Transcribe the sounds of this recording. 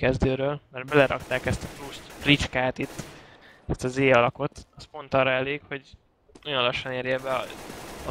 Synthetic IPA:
kɛzd̪øːɾøːlmɛrd̪bɛlɛɾɒ̰kt̪aːkɛst̪ɒfɾust̪rit͡ʃkaːt̪it̪ːɛst̪ɒzeːɒlɒko̞t̪ɒspont̪ɒrːɒɛleːkho̞ɟ | nojonlɒʃːɒneːɾjɛbɛ

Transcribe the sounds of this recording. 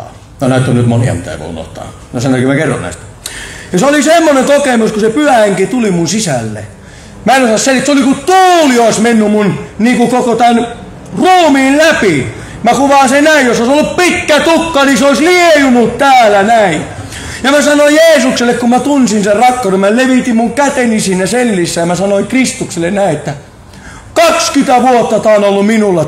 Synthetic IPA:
nonæˑit̪ːonyt̪monḭɑ̰mit̪æḛiʋo̰ˑḭno̰ht̪ɑ̰ː | næsɑnːkymækerːo̰nnæ̰ist̪ | jɑseolisemːonet̪okemuskusepyhæheŋkit̪ulimunsisælːḛ | mæenosɑsselit̪solikut̪uːlioˑismenːymunniːkukokot̪æn | ruːmiːllæpi | mækuʋɑːˑsennæijjosoisolːuppit̪kæt̪ukːɑniseoˑisliejumut̪t̪æːlænæi | jɑmæsɑnoijeːsukselːekkummæt̪unsinserrɑkːɑˑuremæleʋit̪immuŋkæt̪enisinːeselːisːæjɑmæsɑnoikrist̪ukselːennæĩet̪ːæ | kɑkskyt̪æʋuot̪ːɑt̪ɑˑːnolːumminulːɑ

